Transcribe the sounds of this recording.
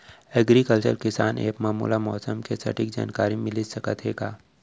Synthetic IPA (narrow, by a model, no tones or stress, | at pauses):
əɡɾikəlt͡ʃə̰lkɪsaːnḛːkmaːmṵːlamɔːsəmkesɐ̰ʈɪkd͡ʒa̰ːnkaːɾimɪlisɐkət̪ɦeːɡaː